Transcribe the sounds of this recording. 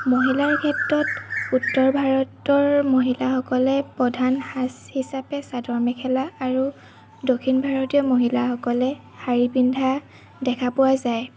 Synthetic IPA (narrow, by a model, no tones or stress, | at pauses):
moɦilaɹkʰɛtɹɔtutːɔɹbʱaɹɔtɔɹmoɦilaxɔkɔlɛpɹɔdʱanhashisapɛsadɔɹmɛkʰɛlaːɹu | dokʰinbʱaɹɔtijɔmoɦilaxɔkɔlɛ | haɹibindʱa | dɛkʰapʊwazaj